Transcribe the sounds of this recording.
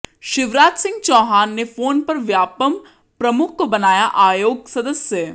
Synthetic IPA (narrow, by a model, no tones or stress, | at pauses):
ʃɪʋɾaːt̪sɪ̃ŋɡ̚t͡ʃɔːɦaːnːefoːnpɐɾʋjaːpəm | pɾɐmʊkʰːobɐnaːjaʔaːjoːɡ̚sɐd̪əsjə